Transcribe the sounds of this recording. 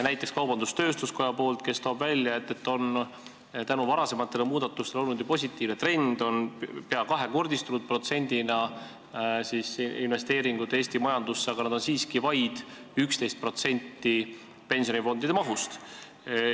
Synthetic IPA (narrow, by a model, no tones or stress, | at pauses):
næjt̪ːˑe̞kskɑwbɑnd̪̥ust̪ø̞ːst̪usko̞jɑpo̞ːlt̪ke̞st̪oːbvælʲjɑe̞t̪ːˑe̞t̪ːo̞n | t̪ænuvɑɾɑse̞mɑt̪ːˑe̞lemuːd̪̥ɑt̪ːˑust̪e̞lolnud̪jupo̞s̬ʲit̪ːˑiːvnet̪re̞nd̪̥o̞npeɑkɑɦe̞ko̞rd̪ist̪unud̪̚pro̞t̪se̞nʲd̪̥inɑ | sisinve̞st̪e̞ːɾiŋɡ̥ut̪ːˑeeːsʲt̪imɑjɑnd̪̥usːeɑɡ̥ɑnɑd̪o̞nsiːskivɑjd̪̥ykst̪e̞jst̪̚pro̞t̪se̞nʲt̪ːi | pe̞nsio̞nifo̞nd̪id̪̥emɑɦust̪